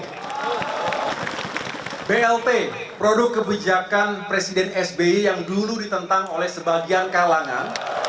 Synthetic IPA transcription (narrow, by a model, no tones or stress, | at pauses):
beɛlt̪epɾodʊkːəbid͡ʒakanpɾesidɛnɛsbeijaŋduludit̪ənt̪aŋolɛhsəbaɡiankalaŋa̰n